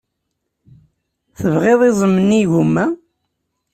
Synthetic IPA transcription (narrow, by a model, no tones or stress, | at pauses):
θəvʁeðˤizˤəmːəniʝumːæ